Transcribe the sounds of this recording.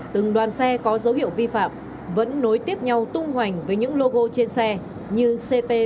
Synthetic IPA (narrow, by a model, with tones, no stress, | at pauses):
t̪ɨ˨˩ŋɗwaː˨˩nsɛ˧kɔ˨˦zə˨˦whḭ˧˨əwvi˧fa̰ː˧˨m | və̰˧˥nːo˨˦jt̪i˦˥əp̚ɲa˧wt̪ʊ˧ŋ͡mhwa˨˩jŋ̟vəː˨˦jɲɨ̰˧˥ŋlo˧ɣo˧t͡ɕe˧nsɛ˧ | ɲɨ˧se˧pe˧